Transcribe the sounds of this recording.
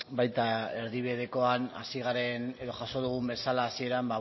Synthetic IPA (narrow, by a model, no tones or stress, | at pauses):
bajt̪ae̞ɾðiβeð̞eko̞ana̰siɣ̞aɾe̞ne̞ðo̞ʝaʃo̞ðuɣ̞umbe̞salaːsie̞ɾamba